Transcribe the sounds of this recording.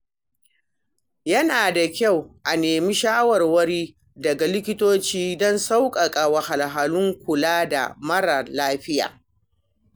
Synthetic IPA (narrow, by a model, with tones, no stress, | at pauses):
jɐ˦naː˨da˨kʲa˦˨wʔa˨neː˨mi˦ʃaː˦wɐ˨rwɐ˦ɽiː˦ | dɐ˨ɡa˨lɪ˦kʲɪ˦toː˦t͡ʃiː˦dɔ˦nsa˦wkʼɐ˨kʼa˨wɐ˨ha˨lɦa˨lʊ˦ŋkʷʊ˨laː˦da̰˨mɐ˦ɽa˨laː˦ɸɪ˦ja̰ː˨